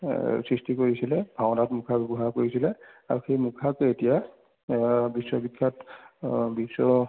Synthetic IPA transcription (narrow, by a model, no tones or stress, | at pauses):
sɹistikoɹisilɛbʱawnatmukʰabebukʰakoɹisilɛaɹuxejmukʰaketija | bisːɔbikʰːat | bisːɔ